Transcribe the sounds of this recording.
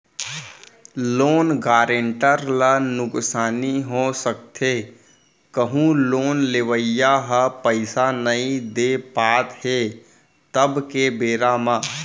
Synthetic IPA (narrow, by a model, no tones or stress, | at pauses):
loːnɡaːɾeɳʈəɾlənʊksaːniɦosək̚t̪ʰe | kəɦũloːnleʋəjjaɦəpəɪsanəĩd̪epaːt̪heː | t̪əbkebeːɾamãː